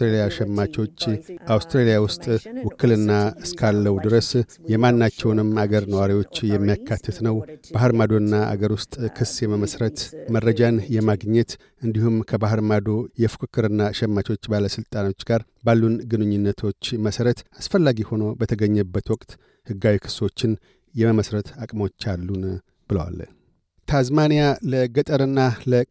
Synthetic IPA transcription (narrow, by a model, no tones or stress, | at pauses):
t̪ɾelijaʃɛmːat͡ʃo̞t͡ʃːʔawst̪ɾelijawʊst̪ʼwʊkːɨlɨnːaɨskʰalːəwd̪ɨɾəsjɛmanːat͡ʃːɛwnɨmaɡəɾnəwaɾiwo̞t͡ʃːjɛmːijakʰːat̪ʰːɨt̪nəwb̥aɦɾmad̪o̞nːaʔa̰ɡəɾwʊst̪ʼkʰɨsjɛməməsɾət̪məɾːəd͡ʒanjɛmaɡɲɛt̪ | ɨnd̪ihumkʰəbaɦɾmad̪o̞jɛfɨ̥kʰɨkʰːɨɾɨnːaʃɛmːat͡ʃo̞t͡ʃːbaləsɨlt̪ʼanot͡ʃːɡaɾ | balːunɡɨnɨɲːunːət̪ʰo̞t͡ʃːməsəɾət̪asfəlːaɡiho̞no̞bət̪ʰəɡəɲːəbːət̪wɔkʼt̪ | hɨɡːawikʰɨ̥sːo̞t͡ʃːɪn | jɛməməsɾət̪akʼmo̞t͡ʃːalːun | b̥ɨləwa̰l | t̪ʰazmanijaləɡət̪ʼəɾɨnːalə